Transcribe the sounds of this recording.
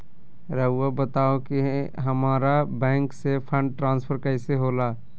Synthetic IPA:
ɾəʊːabət̪aːokiɦɦɐmaːɾabɛ̃ːŋksepʰə̃ɳɖ̚ʈɾãːnspʰəɾkəɪseɦoːlaː

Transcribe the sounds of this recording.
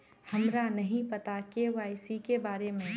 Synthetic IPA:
hɐmɾanɐɦĩpɐt̪akeʋaːɪsikebaːɾemẽ

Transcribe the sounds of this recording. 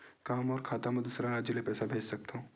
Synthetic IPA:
kaːmɔːɾkʰaːt̪amɛ̃d̪ʊsɾaɾaːd͡ʒjəlepɛːsabʱeːd͡ʒsɐk̚t̪aɦũː

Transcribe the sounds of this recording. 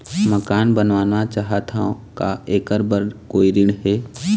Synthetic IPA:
məkaːnbənʋaːnʋat͡ʃaːɦat̪ʰaõkaeːkəɾbəɾkoːiɾɪɳɦeː

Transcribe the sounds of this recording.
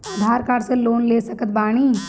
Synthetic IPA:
aːd̪ʱaːɾkaːɾseloːnleːsɐkət̪̚baːɽ̃iː

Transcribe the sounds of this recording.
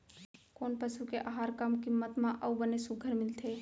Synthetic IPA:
koːnpəʃukeʔaɦaːɾkɐmkɪmːət̪mãʔɐubənesuɡʱəɾmɪlt̪ʰeː

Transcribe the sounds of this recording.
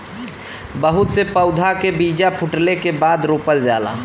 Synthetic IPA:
bəɦʊt̪sepəʊd̪ʱakebiːd͡ʒapʰʊʈlekebaːd̪ɾoːpəld͡ʒaːla̰ː

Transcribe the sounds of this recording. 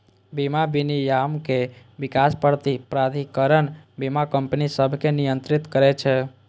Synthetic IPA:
bimabinijamke | bikaspəɾt̪ipɾad̪ʱikəɾənbimakəmpnisəbʱkenijənt̪ɾit̪kəɾɛt͡ʃʰɛ

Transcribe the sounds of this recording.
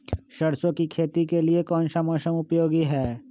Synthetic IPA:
ʃɐɽsõkikʰeːt̪ikeliekɔːnʃamɔːʃəmʊpjoːɡiɦɛː

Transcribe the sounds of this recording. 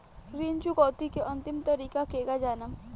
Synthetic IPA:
ɾint͡ʃukɔːt̪ikeʔɐ̃nt̪ɪmt̪ɐɾiːkakeɡad͡ʒanəm

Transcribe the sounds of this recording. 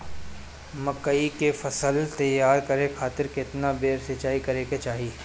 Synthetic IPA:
mɐkəikefɐsəlt̪ɐjaːɾkɐɾekʰaːt̪ɪɾkɪt̪nabeːɾsɪt͡ʃaːikɐɾeːket͡ʃaːɦiː

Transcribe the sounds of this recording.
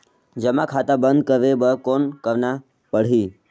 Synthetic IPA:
d͡ʒəmakʰat̪abənd̪̚kəʋebəkonkəʋna | pəɽ̤iː

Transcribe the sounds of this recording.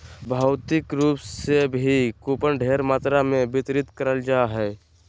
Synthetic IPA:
bʱaʊt̪ɪkɾuːpsebʱikuːpənɖʱeːɾmaːt̪ɾamẽbɪt̪ɾɪt̪kəɾəld͡ʒaːɦɛː

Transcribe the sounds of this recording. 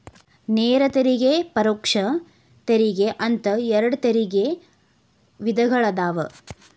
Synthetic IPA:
neːɾɐt̪ɐɾiɡepɐɾoːkʂɐ | t̪ɐɾiɡeʔɐnt̪ɐɛɾɐɽut̪ɐɾiɡe | ʋid̪ʱɐɡɐɭɐd̪aːʋɐ

